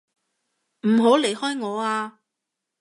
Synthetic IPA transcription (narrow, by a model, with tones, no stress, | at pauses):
m̩˨˩ɦo˨˥wle˨˩jhɔː˥jŋɔː˨˧aː˧